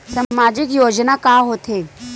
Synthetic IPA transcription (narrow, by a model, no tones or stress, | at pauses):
sɐmaːd͡ʒɪkjoːd͡ʒnakaɦot̪ʰeː